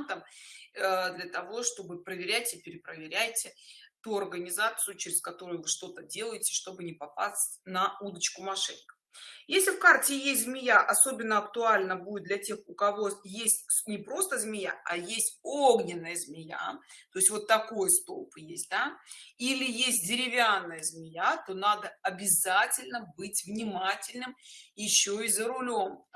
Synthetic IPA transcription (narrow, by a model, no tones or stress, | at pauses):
nt̪əm | d̪lʲət̪ɐvo̞ʂt̪o̞bɨpɾəvʲɪɾʲætʲɪpʲɪɾʲɪpɾəvʲɪɾʲæjtʲɪt̪uɐrɡənʲɪzat̪sɨjʊt͡ɕɪɾʲɪskɐt̪o̞ɾʊjʊvɨʂt̪o̞t̪ədʲe̞lˠəjɪtʲɪ̥ʂt̪o̞bɨnʲɪpɐpa̰sʲtʲnɐud̪ət͡ɕkʊmɐʂɨnkə | jesʲlʲɪfkartʲɪjesʲtʲzmʲɪjaʔɐso̞bʲɪnːəɐkt̪ʊalʲnəbudʲɪt̪̚d̪lʲɐtʲe̞xʊkɐvo̞jesʲtʲnʲɪpɾo̞st̪əzmʲɪja̰ɐjesʲtʲoɡnʲɪnːəjəzmʲɪja̰t̪o̞ɪsʲtʲvo̞t̪ːɐko̞jəst̪o̞̰pjesʲt̚ʲd̪ailʲɪjesʲt̚ʲdʲɪɾʲɪvʲanːəjəzmʲɪjat̪o̞nad̪əɐbʲɪzatʲɪlʲnəbɨtʲvnʲɪmatʲɪlʲnɨmjɪɕːoizəɾʊlʲo̞m